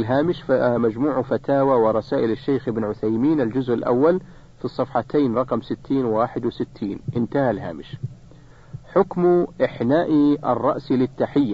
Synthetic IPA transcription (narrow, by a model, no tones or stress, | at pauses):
lɦaːmɪʃmad͡ʒmuːʕfat̪aːwawɪɾˤɑsaːʔɪlɪʃːajxʔɪbnʕʊθajmiːnɪld͡ʒʊzʔɪlʔa̰wːal | fisˤːɑfħɑt̪ʰaːnɾˤɑqɑmsɪt̪ʰːiːnwaːħɪd̪wɪsɪt̪ʰːiːnʔɪnt̪ahalɦa̰ːmɪʃ | ħʊkmʔɪħnaːʔiʔɑ̰rˤːɑ̰ʔsilɪt̪ːaħɪjːa